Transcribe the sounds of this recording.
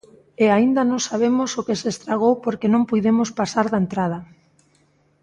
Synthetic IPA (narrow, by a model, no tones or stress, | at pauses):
eaind̪ɐnõŋsaβ̞emʊsokesest̪ɾaɣ̞owpoɾkenõmpujðemoʊspasaɾðaent̪ɾað̞ɐ